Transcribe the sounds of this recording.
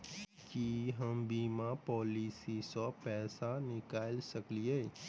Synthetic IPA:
kiɦəmbiːmapɔːlisisapɛːsanɪkaːlsəklieː

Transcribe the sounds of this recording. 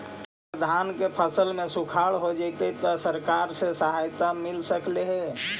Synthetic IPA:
əd̪ʱankepʰəsəlmẽsukʰaɽɦod͡ʒat̪et̪ɔsəɾkaɾsesəɦajt̪amɪlsəkleɦɛ

